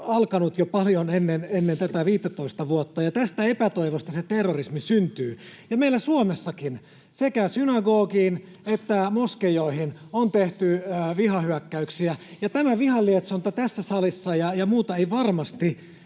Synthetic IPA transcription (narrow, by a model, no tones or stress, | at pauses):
ɑlkɑnut̪jopɑljonenːenenːent̪æt̪æʋiːt̪ːæt̪oist̪ɑʋuot̪ːɑjɑt̪æst̪æepæt̪oiʋost̪ɑset̪erːorismisynt̪yːjɑmeilæsuomesːɑkin | sekæsynɑɡoːkiːn | et̪ːæmoskejoihinont̪eht̪yʋihɑhyækːæyksiæjɑt̪æmæʋihɑlːiet̪sɑnt̪ːɑt̪æsːæsɑlisːɑjɑjɑmuːt̪ɑeiʋɑrmɑst̪i